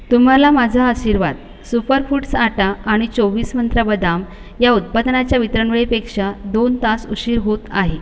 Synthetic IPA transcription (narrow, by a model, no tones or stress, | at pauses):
t̪um̤alamad͡zʱaəɕiɾʋad̪ | supəɾfuʈsaʈaːɽ̃it͡soʋiːsmənt̪ɾəbəd̪am | jaut̪̚pad̪nat͡ɕjaʋit̪ɾəɳʋɭipekʂad̪ont̪asuɕiːɾɦot̪aɦe